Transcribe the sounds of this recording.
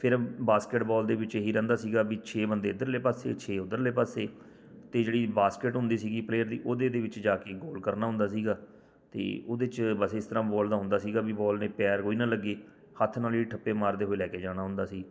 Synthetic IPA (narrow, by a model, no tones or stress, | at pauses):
pʰɪɾbaːskɪʈbɔːld̪eːʋɪt͡ʃːɦiːɾɛ̃ːnd̪aːsiːɡaːbiːt͡ʃʰeːbənd̪eːʊd̪əɾleːpasḛːt͡ʃʰeːʊd̪əɾleːpaseː | t̪eːd͡ʒeːɽiːbaːskɪʈɦʊ̃nd̪iːsiːɡiːpleːəɾd̪iːʔoːd̪eːd̪eːʋɪt͡ʃd͡ʒaːkeːɡoːlkəɾnaːɦʊ̃nd̪aːsiːɡaː | t̪ḛːoːd̪eːt͡ʃbəseːɪst̪əɾãːbɔːld̪aːɦʊ̃nd̪aːsiːɡaːbibɔːlnẽːpɛːɾkoːiːnãːləɡːeː | hət̪ʰnaːliːʈʰəpːeːmaːɾd̪eːɦoːeːlɛːkeːd͡ʒaːɽ̃aːɦʊnd̪aːsiː